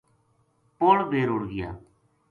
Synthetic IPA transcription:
poːɭbʱeːɾʊɽɡɪja̰ː

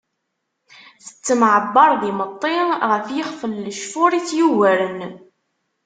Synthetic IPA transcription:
θə̥t͡sːəmʕəbːɑɾˤðimət̪ˤːɪʁəfjəχfəlːəʃfʊɾit͡sːjuwæɾən

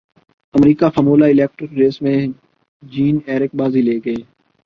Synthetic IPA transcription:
əmɾiːkaːfəmoːlaːɪleːk̚ʈɾɪkɾeːsmẽː | d͡ʒiːneːɾɪk̚baːziːleːɡəeː

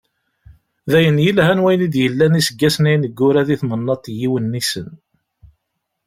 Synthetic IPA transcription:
ðæjənjəlhænwæjnid̪jəlːænisəɡːæsninəɡːʊɾæðiθmənːɑt̪ˤjiwənːisən

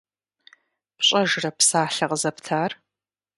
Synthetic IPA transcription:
pɕʼɐʒrɐpsaːɬɐqəzɐptʰaːr

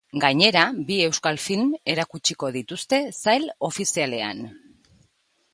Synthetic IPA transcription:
ɡaɲe̞ɾabie̞wskalfilme̞ɾakut͡ʃiko̞ðit̪ust̪e̞sajlo̞fisiale̞a̰n

